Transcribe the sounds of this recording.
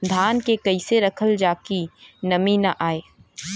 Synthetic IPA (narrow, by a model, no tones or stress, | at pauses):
d̪ʱaːnkekɐɪseɾɐkʰəld͡ʒaːkinɐminɐʔaːeː